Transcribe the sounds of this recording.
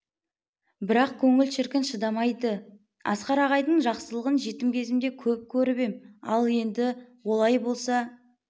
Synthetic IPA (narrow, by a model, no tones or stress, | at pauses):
bɪɾɑq̚kʲʰɵŋɪlʃɪɾkʲɪnʃəd̪ɑmɑjd̪ə | ɑ̰sqɑɾɑʁɑjd̪əɴʒɑqsəlˠəʁənʒe̞t̪ɪmkʲʰe̞zɪmd̪e̞kʲʰɵp̚kʲʰɵɾɪbemɑ̰lˠe̞nd̪ɪwo̞lˠɑjbo̞lˠsɑ